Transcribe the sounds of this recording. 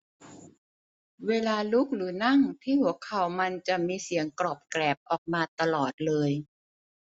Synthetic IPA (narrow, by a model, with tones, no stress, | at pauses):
weː˧laː˧lu˦˥k̚ɾɯː˩˦na˥˩ŋt̪ʰiː˥˩pʰu˨˩˦əkʰːa˨˦wma˧nt͡ɕa˨˩ʔmiː˧si˨˩˦əŋklɔː˨˩p̚klɛː˨˩p̚ʔɔː˨˩k̚maː˧t̪a˧lɔː˨˩t̪̚lɤː˧j